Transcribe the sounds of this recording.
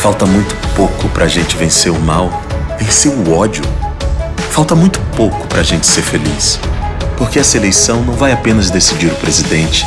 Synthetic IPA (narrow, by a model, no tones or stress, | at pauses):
fawt̪ɐmũj̃t̪ʊ̥powkʊpɾɐːʒẽnt͡ʃɪvẽseɾʊmaw | vẽseɾʊɔd͡ʒʊ | fawt̪ɐmũj̃t̪ʊ̥powkʊ̥pɾɐːʒẽnt͡ʃɪ̥seɾfelis | poɾkeɛsɐelejsɐ̃w̃nɐ̃w̃vajapẽnɐzd̪esid͡ʒiɾʊpɾezid̪ẽnt͡ʃɪ̥